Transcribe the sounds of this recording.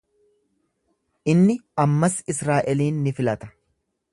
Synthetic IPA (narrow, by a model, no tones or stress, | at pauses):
ʔɪnːɪɐmːɐsɪsɾaːʔɛliːnːɪfɪlɐt̪ɐ̥